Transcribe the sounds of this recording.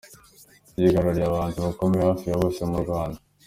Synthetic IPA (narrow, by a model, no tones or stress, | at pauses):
iɡaɾaɾijaβaːntuβako̞meehaːfijaβoçamuɾɡwaːnda